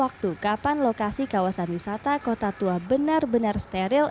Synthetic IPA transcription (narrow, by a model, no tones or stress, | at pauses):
wak̚t̪ukapanlokasikawasanwisat̪akot̪at̪uabənarbənarst̪eɾɪl